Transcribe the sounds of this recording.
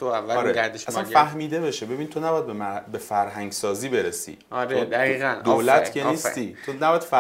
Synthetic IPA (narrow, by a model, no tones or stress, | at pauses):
t̪ʰoævæːɾeæɾd̪eʃæsænnfæhmiːd̪e̞be̞ʃebe̞binit̪ʰonæbɒjæd̪̚bembefæɾɦæŋɟsɒːziːbeɾesḭɒɾed̪æɣiːɣænd̪olæt̪kʰeiːst̪iːt̪ʰonæbɒjæd̪f